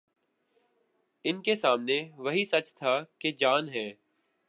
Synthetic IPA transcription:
ɪnkesaːmneʋɐɦisɐt͡ʃt̪ʰaked͡ʒaːnɦɛ̃ː

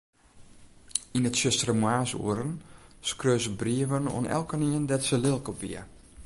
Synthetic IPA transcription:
inətsøstrəmwaːsṵəɾənskrøːzəbriəʋəno̰ənʔɛ̰lˠkəniəndɛtsəlɪlˠkɔpḭə

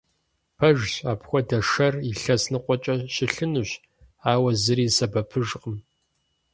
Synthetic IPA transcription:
pʰɐʒɕaːpxʷɔdɐʂɐriɬɐsnɨqʷɔt͡ʃʼɐɕɪɬɨnuɕ | aːwɐzɨɾiːsɐbɐpʰɨʒqʼəm

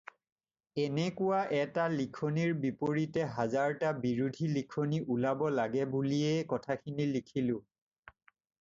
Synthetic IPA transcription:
ɛnɛkʊwaʔɛtalikʰoniɹbipoɹitɛɦazaɹtabiɹudʱilikʰoniʔulabɔlaɡɛbuliɛkɔtʰakʰinilikʰilʊ̃

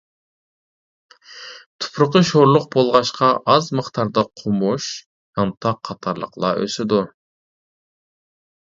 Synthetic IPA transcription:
t̪ʰʊ̥pʰɾʊqəʃoɾlˠʊq̚bolˠʁɑʃqɑʔɑzməχt̪ʰɑɾd̪ɑqʰomuʃ | hɑnt̪ʰɑqʰɑt̪ʰɑɾlˠə̰qlˠɑ̰ʔø̰sɪd̪u

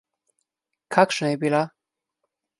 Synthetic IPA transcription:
kʰakʂnebila

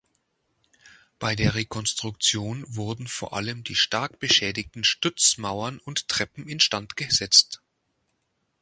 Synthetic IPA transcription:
b̥aɪdeːɐʁekʰɔnstʁ̥ʊkt͡sjoːnvʊɐdn̩foːɐʔa̰ləmdiːʃtaɐkb̥əʃɛːdɪktn̩ʃtʏt͡smaʊɐnʊnttʁ̥ɛpm̩ɪnʃtantɡ̥əz̥ɛt͡st

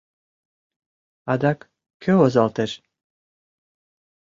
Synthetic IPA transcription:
ɑd̪ɑk | kʰøozɑlt̪eʃ

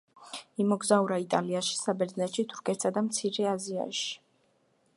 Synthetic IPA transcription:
imɔɡzauɾait̪ʼaliaʃi̥sabɛɾd̪znɛt̪ʃit̪ʰu̥ɾkʰɛt̪sad̪amt̪sʰiɾɛazia̰ʃi̥

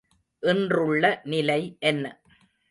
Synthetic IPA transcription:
ʔɪndrɯɭːɐnɪlɐɪʔɛnːɐ

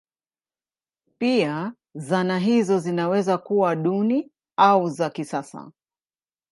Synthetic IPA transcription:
pia | zanaɦizɔzinawɛzakuwaɗuni | auzakisasa̰

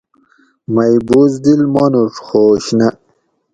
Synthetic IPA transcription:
mɐjbuːzd̪ilmonuʂxoːɕnɐ

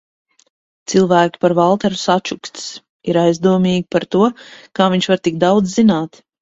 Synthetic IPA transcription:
t̪silˠvæːkʲi̥paɾvalˠt̪ɛɾu̥sat͡ʃukst̪s | iɾajzd̪uɔmiːɡʲipaɾt̪uɔkaːviɲʃvaɾt̪iɡ̚d̪awd̪zzinaːt̪

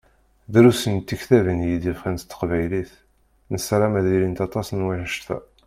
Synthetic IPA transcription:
ðɾusənt̪ːiçθævənjid̪ifχænt̪t̪ːə̥qvæjliθ | nəsɾˤɑmæðiɾint̪ɑt̪ˤɑsnwiħəʃt̪æ̰

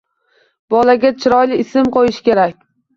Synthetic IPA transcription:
b̥ɒlaɡʲat͡ʃʰɪɾɒjlɪːsɪmqʰojɪʃkʲe̞ɾakʲ

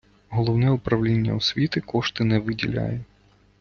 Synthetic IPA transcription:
ɣɔlˠɔwnɛjɛʊpɾɐwlʲenʲːɐ̰usʲʋʲit̪ɨkɔʂt̪ɪnɛʋɨdʲɪ̰lʲa̰jɛ

